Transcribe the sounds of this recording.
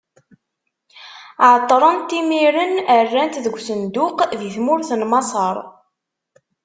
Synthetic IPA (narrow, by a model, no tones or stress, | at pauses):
ʕt̪ˤːɾˤənt̪imiɾənərːænt̪ðəɡʷːsənd̪ʊqðiθmʊɾθənmɑsˤɑɾˤ